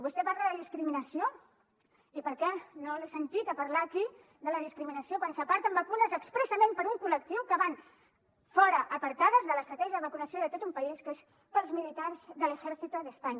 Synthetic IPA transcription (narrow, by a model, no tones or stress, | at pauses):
βust̪ɛpaɾlaðəðiskɾiminəsio | ipəɾkɛnolesənt̪it̪əpɐɾlaki | ðələðiskɾiminəsiokwansəpaɾt̪əmbəkunəzəkspɾəsəmẽmpəɾuŋkulək̚t̪iwkəβan | fɔɾəʔəpəɾt̪aðəzðələst̪ɾət̪ɛʒəðəβəkunəsioðət̪ot̪umpəiskes | pəlˠzmilit̪aɾzðələxɛɾθit̪uðəspaɲ